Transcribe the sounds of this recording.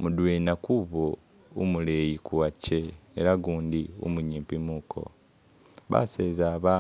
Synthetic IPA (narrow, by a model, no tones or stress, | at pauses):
mudweːnakuβo | umulejikuwaceeɾaɡuːndiṵmuɲiːmpimuːkʰo̞̰ | βa̰seːzaːβa